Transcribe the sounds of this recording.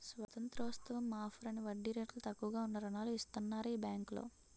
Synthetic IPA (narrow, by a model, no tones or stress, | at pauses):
sʋɐt̪ɐnt̪ɾɐʋɐst̪ɐʋɐmːaːfʰuɾɐniʋɐɖːiɾeʈlut̪ɐkːuʋɐɡaːunːɐɾɐnaːluist̪unːaːɾuiːbjaːŋklo̰ː